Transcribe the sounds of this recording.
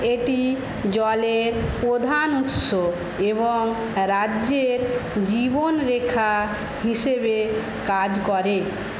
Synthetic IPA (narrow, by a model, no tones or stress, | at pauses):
eʈi | d͡ʑɔleɾpɾod̪ʱanut̪ʃo | eβoŋ | ɾad͡ʑːeɾd͡ʑibonɾekʰa | ɦiʃebe | kad͡ʑkɔɾe